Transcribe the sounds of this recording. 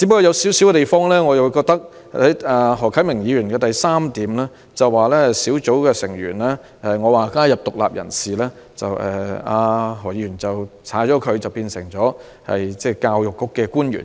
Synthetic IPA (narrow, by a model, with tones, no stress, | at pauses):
t͡si˨˥pkːɔ˧jɐ˨˧wsiː˨˥wsiː˨˥wɛ˧t̪e˨jfɔː˥ŋlɛː˥ŋɔː˨˧jɐ˨wu˧kɔː˧k̚t̪ɐ˥k̚ | ɐ˨˥jaː˧ɦɔː˨˩kʰɐ˨˥jmɪ˨˩ŋjiː˨˧jyː˨˩nkɛː˧t̪ɐ˨jsaː˥mt̪iː˨˥mlɛː˥ | t͡sɐ˨waː˨lɛː˥˨siː˨˥wt͡so˨˥wkɛː˧sɪ˨˩ŋjy̰ː˨˩nlɛː˥ | ʔɛ˨˩ŋɔː˨˧waː˨kaː˥jɐ˨p̚t̪ʊ˨k̚la̰ː˨p̚jʔɐ̰˨˩nsiː˨lɛː˥ | t͡sɐ˨wʔɛ̰ː˨˩aː˧ɦɔː˨˩ji˨˧˥yː˨˩nt͡sɐ˨wt͡sʰaː˨˥t͡ʃɔː˨˥kʰɵ˨˧ɥt͡sɐ˨wpiː˧nsɪ˨˩ŋt͡sɔː˨˥ | hɐ̰˨jt͡sɛː˥˩kaː˧wjʊ˨kːʊ˥kːɛː˧kuː˥njy̰˨˩n